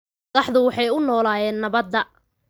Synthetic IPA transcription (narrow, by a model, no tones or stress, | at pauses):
ðɑħðʊwɑħɑjʊnɔːlaːjɛːnːɐβɐd̪ːɐ